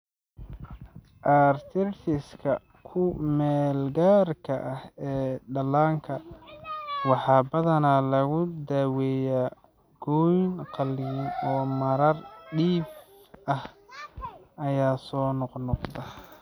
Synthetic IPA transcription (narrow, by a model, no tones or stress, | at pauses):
ʔaːrt̪ʰɪrt̪ɪskʰɐ | kʰʊmɛːlɡaːrkʰɐʔɐhɛːɖɐlaːŋkʰɐ | wɑħɑːbɐðɐnalɐɣʊd̪aːwɛːjaː | ɡ̥ɔjnqɑlinɔːmɐɾɐrɖiːb | ɐh | ɐjaːsɔːnɔqnɔqd̪ɐ